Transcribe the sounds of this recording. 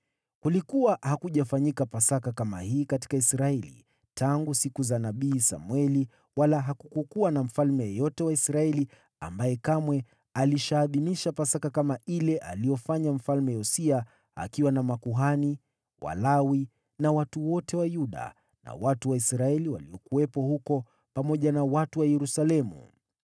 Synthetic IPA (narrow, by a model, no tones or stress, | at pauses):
kulikuwahakuʄafaɲikapasakakama̰hiːkati̥kaisɾaɛlḭ | tʰaŋɡusikuzanaɓiːsa̰mwɛli | walaɦakukukuwanam̩falmɛjɔtɛwaisɾaɛli | a̰mbajɛkamwɛ | aliʃaːðiniʃapasakakamaʔilɛʔalijɔfaɲam̩falmɛjɔsia | a̰kiwanamakuɦani | wa̰lawi | nawatuwɔtɛwajuɗa̰ | na̰watuwaisɾaɛliwa̰liɔkuwɛpɔhukɔ | pamɔʄanawatuwajɛɾusalɛmṵ